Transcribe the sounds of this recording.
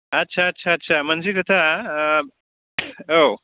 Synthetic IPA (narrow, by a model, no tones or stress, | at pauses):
ɐtːɕʰaːtːɕʰaːtːɕʰam̤ənd͡ʑekət̪ʰa | o